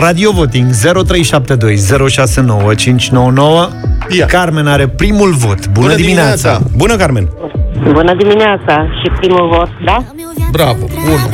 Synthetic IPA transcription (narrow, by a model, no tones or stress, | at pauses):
rad̪io̞vo̞t̪iŋɡze̞ɾo̞t̪ɾe̞jʃap̚t̪e̞d̪o̞jze̞ɾo̞ʃase̞no̞wət͡ʃint͡ʃʲno̞wəno̞wəkarme̞naɾe̞pɾimulvo̞t̪bunəd̪imineasabunəkaɾmenbunəd̪imineat̪saʃipɾimulvot̪̚d̪a | bɾabəbun